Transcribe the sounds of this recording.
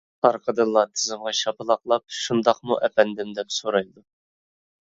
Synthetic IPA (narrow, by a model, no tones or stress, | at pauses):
ɑɾqʰəd̪ɨlˠːɑt̪ʰɨzɨmʁɑʃɑpɨlˠɑqlˠɑp̚ʃund̪ɑqmuʔɛpɛnd̪ɪmd̪ɛpsoɾɑjd̪u